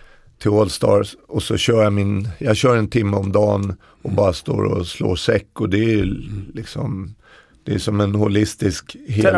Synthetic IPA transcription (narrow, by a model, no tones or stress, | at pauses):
t̪ʰɪlolst̪ɑ̰ːɾsɔsɔɕœːɾjɑmɪnjɑɡɕœːɾɛnt̪ʰɪmːəɔmd̪ɑːn | ʔɔbɑːɾast̪o̰ːɾɔ̰slo̰ːʂɛkːɔd̪ɛælɪksɔm | d̪̥ɛæʂɔmɛnhʊlɪst̪ɪskɦeː